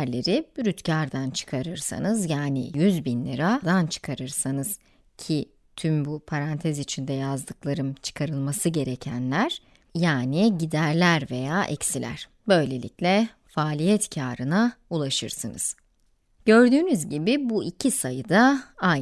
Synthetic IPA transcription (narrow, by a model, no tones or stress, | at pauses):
ɾlʲe̞ɾibyɾyt̪cʰaɾd̪ant͡ʃʰɯ̥kʰaɾɯɾsa̰nɯzjaːnɪ̰jyzbinlʲiɾad̪ant͡ʃʰɯ̥kʰaɾɯɾsanɯz̥ | cʰi | t̪ʰymbupʰaɾant̪ʰɛzit͡ʃʰind̪ɛjazd̪ɯklˠaɾɯmt͡ʃʰɯ̥kʰaɾɯlˠmasɯɟe̞ɾecʰænlʲæɾ̥ | jaːniɟid̪æɾlʲæɾve̞jaːʔɛ̰csilʲæ̰ɾ̥ | bø̞jlʲe̞lʲḭclʲɛ | faːlʲijɛt̪cʰaːɾɯnaulˠaʃɯ̰ɾsɯnɯ̰z̥ | ɟ̥ø̞ɾd̪yːnyzɟibɪbuicʰisajɯd̪aa